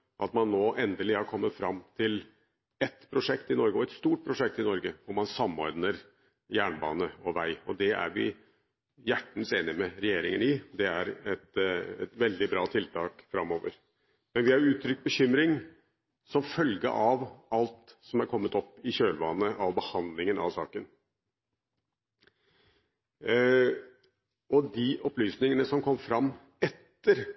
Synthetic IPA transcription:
ʔɑt̪mɑnːoːʔɛnd̪əlɪhɑɾkʰɔmːət̪fɾɑmːt̪ʰɪl | ɛt̪pʰɾʊʂɛkt̪ɪnɔɾɡəɔɛt̪st̪uːʈ̚pʰɾʊʂɛk̚t̪ɪnɔɾɡəʋʊɾmɑnsɑmːɔɾɖnəɾ | jæːɳbɑ̰ːnəɔʋæɪɔd̪ɛæ̰ɾʋɪ̰ | jæʈːn̩seːnɪmɛɾɛjeːɾɪŋənɪd̪ɛæɾɛt̪ɛt̪ʋɛld̪ɪbɾɑːt̪ʰɪlt̪ʰɑːkfɾɑmːoːʋəɾ | mɛnʋɪhɑɾʉːt̪ʰɾʏk̚t̪̚bəɕʏmɾɪŋ | sɔmfœlɡə̰ʔɑʋɑlt̪sɔmæɾkʰɔmːət̪ɔpːɪɕøːlʋɑnːəʔɑʋbəhɑnd̪lɪŋənɑ̰ʋsɑ̰ːkən | ɔd̪ɪʔɔplyːsnɪŋənəsɔmkʰɔmːfɾɑmː | ɛt̪ːəɾ

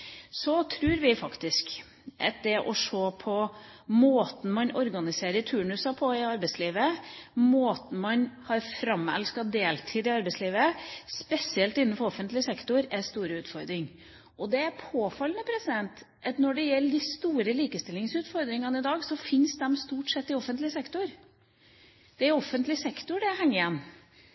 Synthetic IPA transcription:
sɔt̪ʰɾʉːɾʋɪfɑkt̪ɪsk | ʔɑ̰t̪̚d̪ɛʔɔʂoːpʰɔmoːt̪n̩mɑnɔɾɡɑnɪseːɾət̪ʰʉːɳʉsɑpʰɔɪɑɾbɛɪsliːʋəmoːt̪n̩mɑnhɑɾfɾɑmːɛ̰lskɑd̪eːlt̪ʰiːd̪ɪɑɾbɛɪsliːʋəspɛsɪɛlt̪ɪnːənfɔɾɔfənt̪lɪsɛkt̪ʊɾɛɾst̪uːɾəʉːt̪fɔɾd̪ɾɪŋ | ʔɔd̪ɛæɾpʰoːfɑlːənəpʰɾɛsɪd̪ɛnt̪ | ʔɑt̪nɔɖɛjɛlːəd̪ɪst̪uːɾəliːkəst̪ɪlːɪŋsʉːt̪fɔɾd̪ɾɪŋɑnɪd̪ɑːɡsɔfɪnsd̪ɛmst̪uːʈsɛt̪ːɪɔfːənt̪lɪsɛkt̪ʊɾ | d̪̥ɛæɾɔfːənt̪lɪsɛkt̪ʊɖɛhɛŋːɪjɛnː

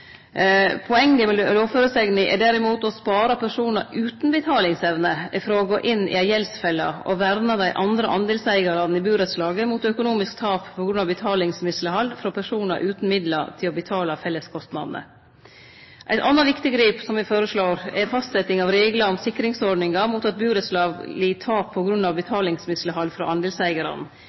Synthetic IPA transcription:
pʰɔɛŋːəmɛloːføːɾəsɛɡnɪʔɛ̰ɖæɾɪmuːt̪ɔspɑːɾɑpʰæʂuːnɑɾʉːt̪nbət̪ʰɑːlɪŋsɛʋnəɪfɾɑːɔɡoːʔɪnːɪ̰æjɛlsfɛlːɑ̰ɔ̰ʋæɾnɑd̪æɪʔɑnd̪ɾəʔɑnd̪eːlsæɪɡɑɾɑnɪbʉːɾət̪slɑːɡəmuːt̪œkʊnuːmɪskt̪ʰɑːppʰɔɡɾʉnɑbət̪ʰɑːlɪŋsmɪsləhɑld̪fɾɑpʰæʂuːnɑ̰ɾʔʉːt̪n̩mɪd̪lɑ̰t̪ʰɪlɔbət̪ʰɑːlɑfɛlːəskʰɔst̪nɑ̰d̪nə̰ | ʔæ̰ɪt̪ɑnːɑʋɪkt̪ɪɡɾiːpsɔmʋɪfoːɾəʂɭoːɾɛfɑst̪sɛt̪ɪŋɑʋɾeːɡlɑɔmsɪkːɾɪŋsɔɖɳɪŋɑmut̪ɑt̪̚bʉːɾət̪slɑːɡlɪt̪ʰɑːpʰːɔɡɾʉnːɑʋbət̪ʰɑːlɪŋsmɪsləɦɑlfɾɑ̰ʔɑnd̪eːlsæɪɡəɾɑ̰n̩

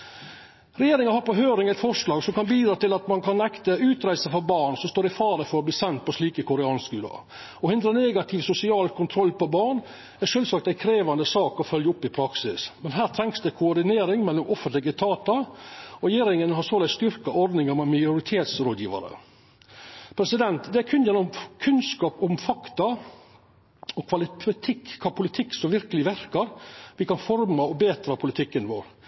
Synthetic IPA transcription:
ɾɛjeːɾɪŋɑhɑɾpɔɦøːɾɪŋæɪt̪fɔʂlɑːɡsɔmkɑnbiːd̪ɾɑːt̪ɪlɑt̪mɑnkʰɑnɛkt̪əʉːt̪ɾæɪsəfɔɾbɑːɳsɔmst̪oːɾɪfɑːɾəfɔɾɔb̪iːsɛnt̪̚pɔʂliːkəkʰʊɾɛɑːnskʉːlɑ̰ | ɔhʏnd̪ɾəneːɡɑt̪ʰɪʋsʊsɪɑːlkʰʊnt̪ʰɾɔlːpɔbɑːɳ | æʂœlsɑk̚t̪æɪkʰɾeːʋɑnd̪əsɑːkɔfœljəʊpːɪpʰɾɑksɪsmɛnɦæːɾt̪ʰɾɛŋksd̪ɛkʰʊɔɖ̪ɪneːɾɪŋmɛlːʊmɔfənt̪lɪɡət̪ʰɑːt̪ɑɾɛjeːɾɪŋənɦɑsoːlæɪst̪ʏɾkɑʔɔɾd̪nɪŋɑɾmɛmɑjʊɾɪt̪ʰeːt̪sɾoːd̪jiːʋɑ̰ɾə̰ | pʰɾɛsɪd̪ɛnt̪d̪ɛækʰʉnd̪jənɔmkʰʉnskɑːpʊmfɑkt̪ɑ | ɔkʰʋɑlɪt̪ʰɪkːkʰɑːpʰʊlɪt̪ʰɪkːsɔmʋɪɾkəlɪʋæɾkɑɾʋɪkɑnfɔɾmɑɔbeːt̪ɾɑpʰʊlɪt̪ʰɪkːənʋo̰ːɾ

